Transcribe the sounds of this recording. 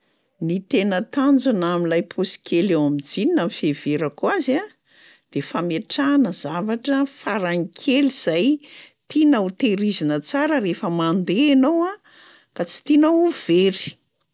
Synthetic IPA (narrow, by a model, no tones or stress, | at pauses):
nit̪enət̪and͡zunamilajpʰosi̥kʲʰelewamid͡zininamifeveɾakuaza | d̪̥efameʈ͡ʂanəz̥avaʈ͡ʂəfaɾaŋikʲʰeliz̥ajt̪inaut̪eɾizinət͡saɾəɾefəmand̪eːnowa | kat͡si̥t̪inauv̥eɾi̥